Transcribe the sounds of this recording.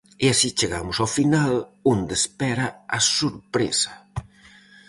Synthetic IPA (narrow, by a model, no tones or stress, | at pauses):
easit͡ʃeɣa̰mʊsafinalond̪espɛɾɐasuɾpɾḛsɐ̥